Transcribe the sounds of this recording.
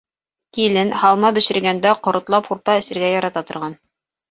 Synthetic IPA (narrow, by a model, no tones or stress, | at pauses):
kilɘnhɑlˠmɑbɘ̆ʃɘ̆ɾɡænd̪æqŏɾŏt̪lˠɑpχuɾp̪ɑɘ̆sɘ̆ɾɡæjɑɾɑt̪ɑt̪ŏɾʁɑn